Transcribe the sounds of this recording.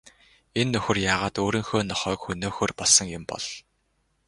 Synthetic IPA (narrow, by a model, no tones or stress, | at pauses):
enːɵxɵ̆rjaːʁaːt̪oːɾĭːŋxoːnɔχœːkxɵnoːxɵːrpɔɮsə̆ŋjʊmpɔ̰ɮ